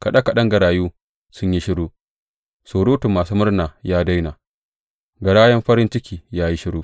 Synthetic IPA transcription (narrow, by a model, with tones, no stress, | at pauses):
ka˨ɗɐ˦ka˨ɗɐ˦ŋɡɐ˨ɽaː˨juː˦ | sʊ˦ɲji˦ʃɪ˦ɽoː˦ | soː˨ɽoː˦tʊ˨mːaː˨suː˦mʊ˦rnaː˨jaː˦da˦jnaː˨ | ɡɐ˨ɽaː˦jɐ˦mɸɐ˦ɾɪ˦nt͡ʃɪ˦kʲiː˨jaː˦ji˦ʃɪ˦ɽoː˦